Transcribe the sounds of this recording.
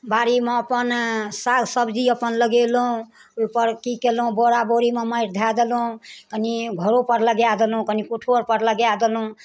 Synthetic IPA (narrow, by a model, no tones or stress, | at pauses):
baɾimeəpənsaɡʱsəbd͡ʒiəpənləɡelɦũ | opəɾkikelɦũboɾaboɾimeməjɾd̪ʱad̪elũkəniɡʱəɾopəɾləɡjad̪elɦũkənikoʈʰoɾpəɾləɡjad̪elɦũ